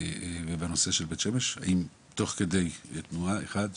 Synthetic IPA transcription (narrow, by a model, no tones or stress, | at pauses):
vebano̞seʃelbet̪ʃemeʃha̰ʔim | t̪o̞χked̪e̞jt̪muaeχad̪